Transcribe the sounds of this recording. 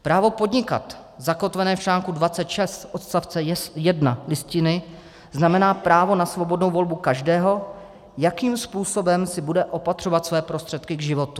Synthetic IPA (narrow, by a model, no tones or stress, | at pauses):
pɾaːvo̞po̞dɲɪka̰t̪ | zako̞t̪vɛnɛːft͡ʃlaːŋkudvatt͡sɛt̪ʃɛst̪ʔo̞t̪st̪aft͡sɛjɛdnalɪscɪnɪ | znamɛnaːpɾaːvo̞nasvo̞bo̞dno̞wvo̞lbukaʒdɛːɦo̞ | jakiːmspuːso̞bɛmsɪbudɛʔo̞pat̪r̝̥ovat̪svɛːpɾo̞st̪r̝̥ɛt̪kɪɡʒɪvo̞t̪u